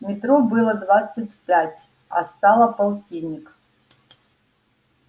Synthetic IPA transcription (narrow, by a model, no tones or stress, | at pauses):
mʲɪt̪ɾobɨlˠəd̪vat̪sɨtʲpʲætʲ | ɐ̰st̪ɑlˠəpɐlˠtʲinʲɪk